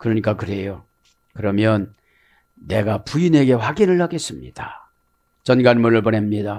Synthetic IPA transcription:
kɯɾʌɲik͈akɯɾe̞jo | kɯɾʌmjʌnː | e̞ɡapuine̞ɡe̞ɸwaɡinɯɭhaɡe̞s͈ɯmɲḭd̥a | t͡ɕʌnɡanmʌnɯɭpʌne̞mɲida

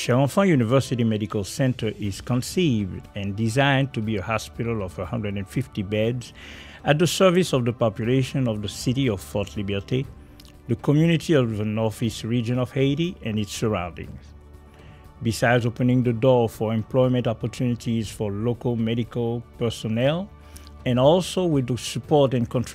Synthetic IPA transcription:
ʃɛɹɔ̃fə̃junivɜ˞siɾimɛɾikəlˠsɛ̃ntʰə˞ʔɪz̥kə̃nsivdɛ̃ndizãɪ̃ntubiəhɑspɪɾəlˠɔvəhʌ̃ndɹədɨ̃nfiftibɛdz | æt̚ðəsɜ˞visɔvðəpɑpjuleɪʃə̃nɔvðəsiɾiɔv̥fɔtʰlibə˞ti | ðəkʰɔmjʉnitiɔvðənɔɹfisɹid͡ʒɨ̃nɔv̥heɪɾiɛ̃nɨtsə˞ã̰ʊ̃ndɪ̰̃ŋz | bisaɪdzoʊpɨ̃nɪ̃ŋðədɔɹfə˞ɛ̃mpl̥ɔɪmɨ̃ntɔpə˞tʰunitiz̥fɔ˞lokəlˠmɛɾikəlˠpɛ˞sɔnɛlˠ | ɛ̃nɔlˠsowɪðəsɨpʰɔɹtɛ̃nkʰɔ̃nt

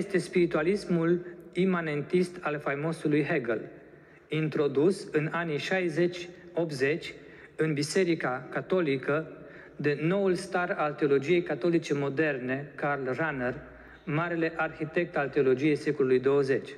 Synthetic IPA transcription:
jest̪e̞spiɾit̪ualismulimane̞nt̪ist̪ʰalfajmo̞sulujɦeɡəl | int̪ɾo̞d̪usɨnaniʃajze̞t͡ʃʲop̚t̪ze̞t͡ʃʲ | ɨnbise̞ɾikakat̪o̞likə | d̪e̞no̞ulst̪aralt̪e̞o̞lo̞d͡ʒije̞jkat̪o̞lit͡ʃe̞mo̞d̪e̞rne̞karlraner | maɾe̞le̞ʔarxit̪e̞k̚t̪alt̪e̞o̞lo̞d͡ʒije̞jse̞ko̞lulujd̪o̞wəze̞t͡ʃʲ

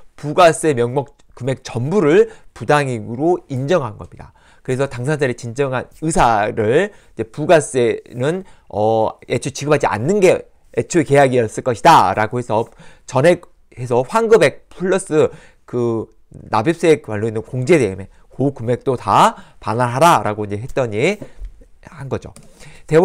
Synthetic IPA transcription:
puɡas͈ɯe̞mjʌŋmʌk̚ | kume̞k̚t͡ɕʌmbuɾɯɭpudaŋiɡɯɾoind͡ʑʌŋɦanɡʌmɲida̰ | kɯɾe̞sʰʌtaŋsʰansʰaɾit͡ɕind͡ʑʌŋɦanɯsʰaɾɯɭ | id͡ʑe̞puɡas͈enɯnʌet͡ɕʰut͡ɕiɡɯmɦad͡ʑia̰nːɯnɡe̞ | et͡ɕʰueke̞jaɡiʌs͈ɯɭk͈ʌɕʰidaɾa̰ɡohe̞sʰʌt͡ɕʌne | he̞sʰʌɸwaŋɡɯbe̞k̚pʰuɭːʌs͈ɯ | kɯ | na̰bjip̚s͈eek̚paɭːoinːɯnkoŋd͡ʑe̞deɯme̞ | kokume̞k̚t͈otapanaɭɦaɾaɾaɡoind͡ʑe̞ɦe̞t͈ʌɲi | hanɡʌd͡ʑo̰te̞

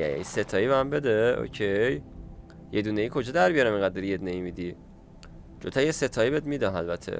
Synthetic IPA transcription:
jæ̰jæ̰iset̪ʰɒːiːbehæmbe̞d̪eo̰cʰej | jed̪uneiːkʰo̞d͡ʒɒːd̪æɾbijɒɾæmeŋɡæd̪d̪ɔɾijed̪uneimid̪i | d͡ʒot̪ʰæjeset̪ʰɒibed̪mid̪ɒnælbæt̪ʰḛ

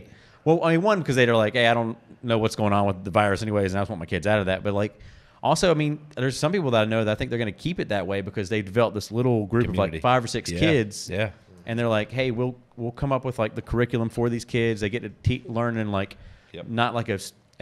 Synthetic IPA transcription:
wɛl̃ˠiwʌ̃nbɨkʌzðeɪðə˞laɪkheɪaɪɾõʊ̃nːoʊwʌtsɡ̥oʊɪ̃ŋə̃nwəðɨvaɪɹɨsɛ̃ñiweɪznætswʌt̚maɪkʰɪdzaʊɾʌvðæt̚b̥ʌt̚ˡlaɪk | ʔɔlˠsoʊaɪmĩnðə˞z̥sʌ̃mpipl̩ˠðəɾaɪnoʊðəɾaɪθɪ̃ŋk̚ðə˞ɡʌ̃nɨkʰipɨt̪̚ðɨt̚weɪbɨkʰʌzðeɪdɨvɛlˠəp̚ðɪslɪɾl̩ˠɡɹʉpʌvvlaɪkfaɪvə˞sɪkskʰɪdz̥æ | ʔɨ̃nðə˞laɪkɦeɪwilˠ | wilˠkʰʌ̃mʌpwəðlaɪk̚ðɨkʰə˞ɪkjl̩ˠə̃ɱfə˞ðiz̥kʰɪdzðeɪɡɛtɨtʰilɜ̃˞nɨ̃nlaɪknəʔlaɪkɨs

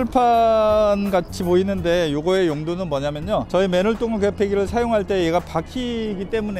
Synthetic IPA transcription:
ɭpʰanɡat͡ɕʰipoinɯnde̞joɡʌe̞joŋdunɯnmwʌɲamjʌɲot͡ɕʌime̞nuɭt͈oŋɯɭkwe̞pʰe̞ɡiɾɯɭsʰajoŋɦaɭt͈e̞jeɡapakʰiɡit͈e̞mune

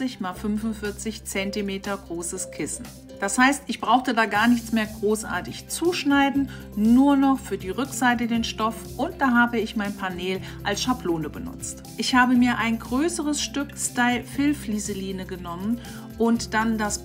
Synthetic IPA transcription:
t͡sɪçmalfʏnvʊnfɪɐt͡sɪçt͡sɛntimeːtɐɡʁoːsəskʰɪsn̩ | d̥ashaɪstɪçb̥ʁaʊxtədaːɡaːɐnɪçt͡smeːɐɡʁoːsʔa̰ːɐtɪçt͡suːʃnaɪdn̩ | nuːɐnɔχfyːɐdiːʁʏkz̥aɪtədeːnʃtɔf | ʔʊnt̚d̥aːɦaːbəɪçmaɪnpʰaneːl | ʔalsʃapʰloːnəbənʊ̰t͡st | ʔɪçhaːbəmiːɐʔaɪnɡʁøːsəʁəsʃtʏkstaɪlfɪlfliːzəliːnəɡənɔmən | ʔʊntd̥andas

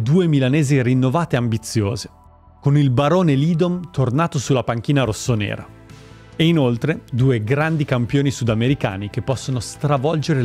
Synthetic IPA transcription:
d̪uːemilaneːzirinːovaːt̪eambit̪sːjo̰ːze | konilbaɾoːneliːd̪omt̪ornaːt̪osulapaŋk̟iːnaɾosːonɛ̰ːɾa̰ | einolt̪ɾed̪uːeɡɾand̪ikampjoːnisud̪ameɾika̰ːnikepːɔsːonost̪ɾavɔld͡ʒeɾe

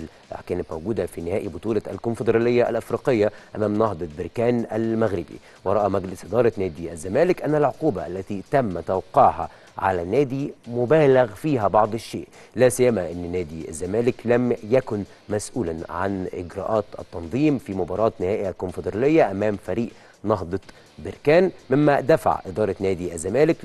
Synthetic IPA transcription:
kæːnɪt̪mæwɡuːd̪afiːnɪhæːʔibʊt̪ˤuːlaæ̰lkʊnfɪd̪ɾˤɑːlɪjːaʔæ̰lʔɪfɾiːqɪjːaʔæmæːmnɑɦd̪ˤɑbɪɾkæːnʔælmæɣɾɪbḭ | wɑɾˤɑʔɑmæɡlɪsʔɪd̪ɑːɾˤɑnæːd̪iʔæzːæmæːlɪkʔænːælʕoquːbaʔælːæt̪it̪æmːt̪awqɑːʕɦɑ̰ | ʕa̰lænːæːd̪imʊbæːlɪɣfiːɦæbɑʕd̪ˤʃːḛːʔlæːsɪjːæmæʔɪnːnæːd̪iʔæ̰zːæmæːlɪklæmjækʊn | mæsʔuːlænʕa̰nʔɪ̰ɡɾɑ̰ːʔɑːt̪ʔɑ̰t̪ːɑnðˤiːmfimʊbɑːɾˤɑːt̪nɪhæːʔɪælkʊnfɪd̪ɾˤɑlɪjːæʔæmæːmfæɾiːʔ | nɑɦd̪ˤɑ | bɪɾkæːnmɪmːæd̪æfa̰ʕʔɪd̪ˤɑːɾˤɑnæːd̪iʔæzːæmæːlɪk

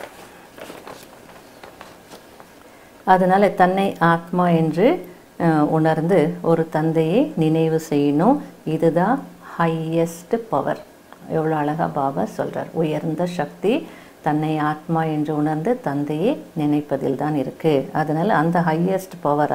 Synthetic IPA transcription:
ɐðɐnaːlɐt̪ɐnːɐɪʔaːt̪maːɛndrɯ | ʊɳɐɾnd̪ɯɔɾɯt̪ɐnd̪ɐjenɪnɐɪʋɯsɛjːnõɪðɯðãːhɐjɛsʈpɐʋɐ̰ɾ | ɛʋːɐɭoːɐɭɐɣa̰ːbaːbɐ̰ːsɔ̰lra̰ːɾʊjɐɾnd̪ɐʂɐk̚t̪i | t̪ɐnːɐɪaːt̪maːɛndrɯʊɳɐɾnd̪ɯt̪ɐnd̪ɐjeːnɪnɐɪpːɐðɪ̰lt̪aːnɪɾɯkːɯɐðɐnaːlɐːnd̪ɐɦɐjɛsʈpɐʋɐɾ

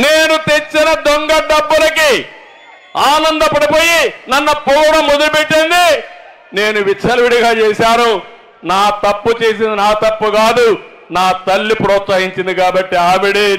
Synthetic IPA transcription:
neːnut̪et͡ʃːinɐd̪oŋɡɐɖɐbːulɐki | aːnɐnd̪ɐpɐɽipo̞ːjinɐnːɐpulɐɽɐmːod̪ulupeʈːind̪i | ne̞ːnuʋit͡ʃʰɐlɐʋiɽiɡaːt͡ʃɛːsaːnu | naːt̪ɐpːut͡ʃe̞ːs̬ind̪inaːt̪ɐpːukaːd̪u | naːt̪ɐlːipɾɔːt̪sɐɦiɲt͡ʃind̪ikaːbɐʈːiaːmiɽi

